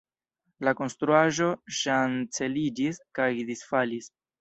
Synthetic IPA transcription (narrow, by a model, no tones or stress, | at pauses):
lako̞nst̪ɾuaʒo̞ʃant͡se̞lid͡ʒiskajd̪isfalis